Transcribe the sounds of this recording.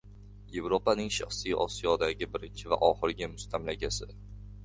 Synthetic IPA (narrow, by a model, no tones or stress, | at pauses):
je̞vɾopanɪŋʃa̰χsijʔɒ̰sijɒd̪aɡʲɪbɪɾɪnt͡ʃʰɪva̰ʔɒχɪɾɡʲɪmʊst̪ʰamlaɡʲasɪ